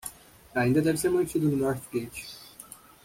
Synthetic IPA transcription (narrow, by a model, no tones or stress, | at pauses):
aĩnd̪ɐd̪ɛvɪseɾmɐ̃nt͡ʃid̪ʊnʊnɔɾt͡ʃkẽt͡ʃi̥